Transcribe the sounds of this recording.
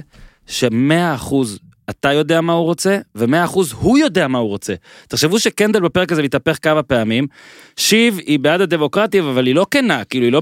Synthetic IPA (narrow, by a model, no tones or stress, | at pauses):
ʃe̞me̞aːχuz | at̪ajo̞d̪e̞amahuʁo̞t͡se̞veme̞aːχuzhujo̞de̞amahuʁo̞t͡se̞t̪eχʃe̞vuʃeke̞nd̪elbepe̞ʁekazemit̪ape̞χkavape̞amim | ʃivibead̪ad̪e̞mo̞kʁat̪ivavalilo̞kenakiiluilo̞